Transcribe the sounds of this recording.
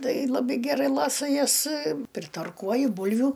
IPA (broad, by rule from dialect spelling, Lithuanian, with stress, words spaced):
ˈtɐɪ lˠɐˈbɐɪ ɡʲɛˈrɐɪ ˈlˠɑːsɐ ˈjɛs pʲrʲɪtɐrˈkuɔjʊ ˈbʊlʲʋʲʊ